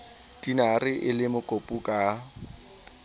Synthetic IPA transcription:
tinarɪʔɪlɪmʊkʼopʼukʼa

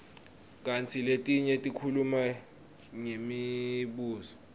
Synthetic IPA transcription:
k̬ʼant͡sʰiletʼiɲɛtʼikʰuluma | ŋemiɓuːzɔ

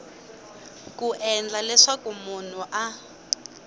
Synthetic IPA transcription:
kʼuʔɛnd͡ɮalɛʂakumun̤uʔa

